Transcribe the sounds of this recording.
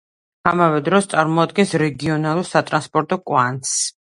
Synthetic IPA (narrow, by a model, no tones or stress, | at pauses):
amavɛd̪ɾɔst̪sʼaɾmɔad̪̚ɡɛnsɾɛɡiɔnalˠuɾsat̪ʼɾanspʼɔɾt̪ʼɔkʼwant̪s